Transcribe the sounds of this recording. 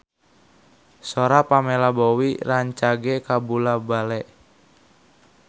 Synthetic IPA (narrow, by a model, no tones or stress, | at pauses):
soɾapamelabowḭraɲt͡ʃaɡekabulabalɛʔ